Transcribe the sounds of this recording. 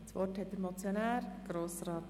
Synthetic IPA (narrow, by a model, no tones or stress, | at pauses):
sʋɔrthɛt̪ːəɾmɔt͡sjonæːɾɡ̥ɾoːsrɑːt̪